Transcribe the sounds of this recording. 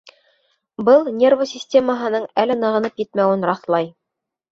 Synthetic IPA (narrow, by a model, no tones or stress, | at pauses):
bɤlˠnʲervəsʲɪsʲtʲeməɦɤ̆nɤɴælɘnɤ̆ʁɤ̆nɤpjɘt̪mæwɘnɾɑθlˠɑj